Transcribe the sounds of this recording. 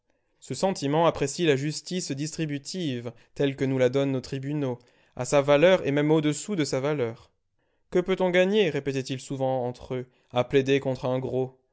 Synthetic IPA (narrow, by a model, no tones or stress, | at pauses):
səsɑ̃t̪imɑ̃apχesilaʒyst̪isd̪ist̪χibyt̪ʰiv | t̪ɛlkənulad̪ɔnːot̪χibyno | a̰savalœʁḛmɛmod̪əsud̪əsavalœːʁ | kəpøt̪ɔ̃ɡaɲeʁepet̪ɛt̪ilsuvɑ̃ɑ̃t̪χø | apled̪ekɔ̃t̪χɛ̃ɡʁo